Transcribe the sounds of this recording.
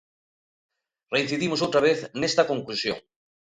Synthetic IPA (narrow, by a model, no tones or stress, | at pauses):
rein̟θiðimosowt̪ɾaβ̞eθnest̪ɐkoŋklusjo̰ŋ